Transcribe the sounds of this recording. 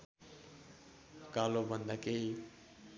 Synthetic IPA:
kaːlobə̃nd̪əkei

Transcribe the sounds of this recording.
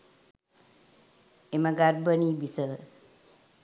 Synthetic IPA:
emaɡaɾbəniːbisə

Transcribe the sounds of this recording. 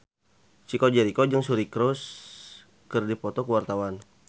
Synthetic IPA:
t͡ʃikɔd͡ʒɛɾikɔd͡ʒəŋsuɾikɾɔs | kɨrdipɔt̪ɔkəwart̪awan

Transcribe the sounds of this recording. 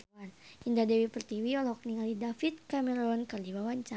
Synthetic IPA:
anindadɛwipərt̪iwiɔlɔk̚niŋalidafit̪̚kamɛɾɔnkadiwawaɲt͡ʃa

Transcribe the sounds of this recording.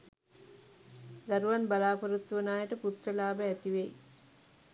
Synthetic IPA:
d̪aɾuʋanbalaːpoɾut̪ːʋənaːjəʈəput̪rəlaːbəɛt̪iʋej

